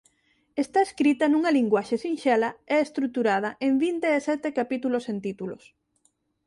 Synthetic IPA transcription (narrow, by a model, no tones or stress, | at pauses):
est̪aeskɾit̪ɐnũŋɐliŋɡwaʃesinʃɛlɐɛest̪ɾuk̚t̪uɾað̞ɐʔembint̪eːsɛt̪ekapit̪ulosent̪it̪ulo̰s